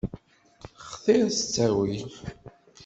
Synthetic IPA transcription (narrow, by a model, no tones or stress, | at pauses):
χθɪɾst͡sːæwi